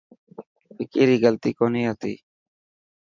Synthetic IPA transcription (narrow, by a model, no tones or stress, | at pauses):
pɪkiːɾiːɡəlt̪iːkoːniːɦət̪ḭː